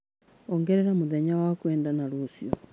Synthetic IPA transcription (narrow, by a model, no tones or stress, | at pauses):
oŋɡeɾeɾamuðeɲawakweːndanaɾosio